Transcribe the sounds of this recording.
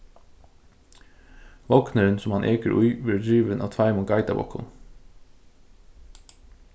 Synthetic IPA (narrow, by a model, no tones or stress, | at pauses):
ʋɔknəɹənsɔmɑnʔeːkəɾʔʊʏʋɪɖɹiːʋənʔɑ̰ːt̪ʰɑɪmʊŋɡɑɪt̪ɑ̰bɔ̰kʰʊ̰n